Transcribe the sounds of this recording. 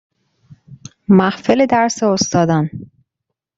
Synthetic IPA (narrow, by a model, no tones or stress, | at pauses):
mæhfeled̪æɾseost̪ɒːd̪æn